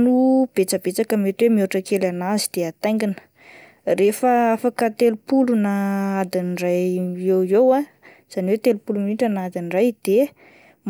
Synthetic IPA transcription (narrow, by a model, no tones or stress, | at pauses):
nub̥et͡səbet͡sakəmet̪wemiuɾuʈ͡ʂəkelanazid̪̥eat̪aj̃ŋɡinə̥ | refəafakət̪elupulunaad̪inrajewewa | z̥aniwet̪elupulumiɳʈ͡ʂənad̪inrajd̪̥e | m